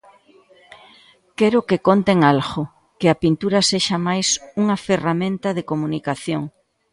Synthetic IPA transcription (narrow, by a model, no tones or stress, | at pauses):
kɛɾʊkekont̪eŋalɣo | kɪɐpint̪uɾɐseʃɐmajsuŋɐferamẽnt̪ɐðekomunikaθjoŋ